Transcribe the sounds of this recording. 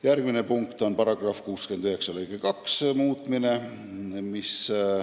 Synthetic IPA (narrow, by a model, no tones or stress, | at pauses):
jæɾɡ̥mine̞puŋkt̪o̞npɑɾɑɡ̥rɑfkuːske̞nd̪yɦe̞ksɑlejɡ̥ekɑksmuːt̪ˑmine̞ | mis